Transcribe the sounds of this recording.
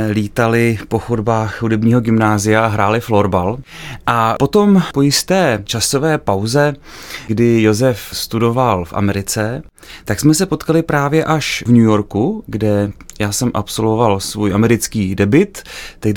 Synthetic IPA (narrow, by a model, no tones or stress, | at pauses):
liːt̪alɪpo̞xodbaːxhudɛbɲiːɦo̞ɡɪmnaːzɪjaʔaɦɾaːlɪflo̞ɾbalʔapo̞t̪o̞mpo̞jɪst̪ɛːt͡ʃaso̞vɛːpawzɛɡdɪjo̞zɛfst̪udo̞valfʔa̰mɛɾɪt͡sɛ | t̪aksmɛsɛpo̞t̪kalɪpɾaːvjɛʔaʃvɲujo̞ɾkuɡdɛjaːsɛmʔa̰pso̞lvo̞valsvujʔamɛɾɪt͡skiːdɛbɪt̪ːɛɡ